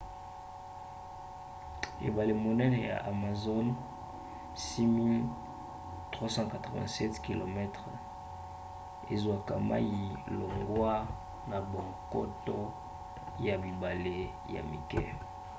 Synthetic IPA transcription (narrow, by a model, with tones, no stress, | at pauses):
ḛ˨ba˨le˨mo˨nɛ˦nɛ˨ja̰˨ʔa˨ma˨zo˦n | si˦mi˦l | tʁwa˦sɑ̃˦ka˨tʁɔ˨vɛ̰̃˨sɛ˦tki˨lo˨mɛ˦tʁ | e˨zwa˨ka̰˨ma̰˦ji˨lo˨ŋɡwa˦ | na˨bo˨ŋko̰˦to˦ | ja˨bi˨ba˨le˦ | ja̰˨mi˨kɛ̰˦